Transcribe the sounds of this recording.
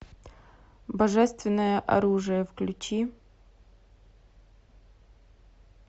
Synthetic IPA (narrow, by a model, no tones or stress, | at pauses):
bɐʐɛst̪vʲɪnːəjɐʔa̰ɾuʐɨjɐvklʲut͡ʃi